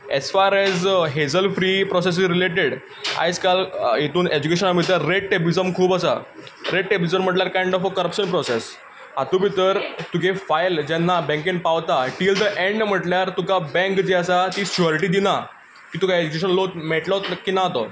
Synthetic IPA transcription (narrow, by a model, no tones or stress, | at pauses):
ɛ̰sfaɾɛd͡zɦed͡zəlfɾiːpɾɔses̬izɾileʈeɽ | a̰jd͡zkaljet̪uːned͡ʑukeɕənabʱit̪əɾːeʈʈebid͡zəmkʰuːpəsa̰ | ɾeʈʈebid͡zəmm̤əʈljaɾkãjɳɖɔfəkəɾəpɕənpɾɔses | ɦat̪ũbʱit̪əɾt̪ukʰefajld͡ʑɛnːabɛ̃ŋkĩnpaʋt̪aʈild̪əʔẽɳɖm̤əʈljaɾt̪ukabɛ̃ŋkd͡ʑeəsat̪iːst͡ɕuəɾʈiːd̪ina | kiːt̪ukaed͡ʑukeɕ̬ənlot̪meʈlət̪kiːnaɦt̪o̰